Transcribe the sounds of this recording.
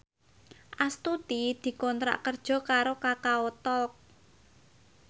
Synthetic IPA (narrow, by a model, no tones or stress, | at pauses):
ʔast̪ut̪id̪̥i̤kɔnt̪ɾa̰ʔkərd̥ʒ̥ɔ̤kaɾokakaot̪ɔlk̚